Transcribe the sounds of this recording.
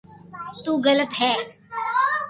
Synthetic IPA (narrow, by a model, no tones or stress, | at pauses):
t̪uːɡələpɦɛː